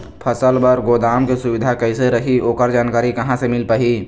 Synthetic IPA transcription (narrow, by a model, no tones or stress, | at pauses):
pʰəsəlbəɾɡoːd̪aːmkesʊʋɪd̪ʱakɐiseɾəɦioːkəɾd͡ʒaːnkaːɾikɐɦãsemɪlpaɦiː